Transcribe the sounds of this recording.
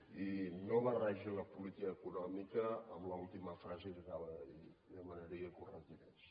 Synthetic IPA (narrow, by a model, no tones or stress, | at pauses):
inɔβəraʒoləpulit̪ikəːkunɔmikəːmləulˠt̪iməfɾazekəkaβəi | ðəmənəɾiəkurənt̪iɾɛs